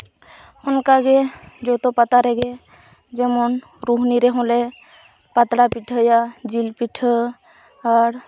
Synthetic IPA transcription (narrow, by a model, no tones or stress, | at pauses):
ʊnkaɡed͡ʒot̪opət̪aɾɛɡe | d͡ʒɛmɔn | ɾuɦniɾɛɦõle | pət̪ɾapiʈʰəjad͡ʒilpiʈʰə | ɔɾ